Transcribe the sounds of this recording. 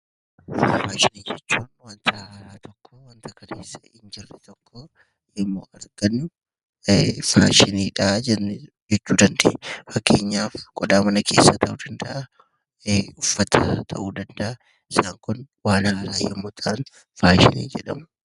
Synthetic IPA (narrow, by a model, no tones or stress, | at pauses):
fɐfaːʃɪniːd͡ʒɛt͡ʃːuːnwɐnt̪ʰɐɾaɾaːt̪ʰɔkːɔwɐnt̪ʰɐkʰɐleːsːɐ̥ɪnd͡ʒɪrːɛt̪ɔkːɔ | ɛmːo̰ːɐɾɡ̥ɐn | fa̰ːʃɪniːᶑad͡ʒɛ | d͡ʒɛt͡ʃːuːd̪ɐnd̪eːʔfɐkʰːe̞̰ːɲːaːfkʼɔd̪aːmɐnɐkʰe̞ːsːɐt̪ʰɐʔuːd̪ɐnd̪ɐʔɐ | ʊfːɐt̪ʰɐt̪ʰɐ̰ʔuːd̪ɐnd̪ɐʔɐ | ɪsaːŋkʊn | waːnɐɐla̰ːjɛmːoːt̪ʰɐʔɐn | faːʃɪ̰nḭːd͡ʒɛᶑɐmʊ